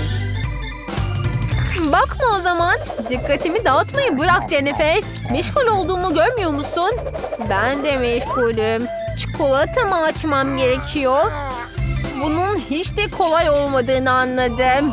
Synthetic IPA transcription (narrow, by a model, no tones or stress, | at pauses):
bakmao̞zamand̪ikʰːat̪ʰimid̪at̪majɯbɯɾak̚d͡ʒenefɛɾ | mɛʃɡulʲo̞lˠd̪uːmuɟøɾmyjo̞musunbænd̪ɛmɛʃɡulʲɯm | t͡ʃʰi̥kʰolˠat̪ʰɯmaːt͡ʃmamɟe̞ɾecʰijo | bununhit͡ʃd̪ɛkʰo̞lˠajo̞lˠmad̪ɯːnɯanlˠad̪ɯm